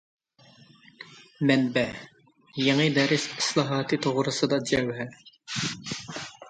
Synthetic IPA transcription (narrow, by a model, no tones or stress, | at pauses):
mɛnbɛ | jeŋɨd̪ɛɾɪsɪ̥slˠɑɦɑːt̪ʰɨt̪ʰoʁɾɨsɨd̪ɑd͡ʒɛwɦɛ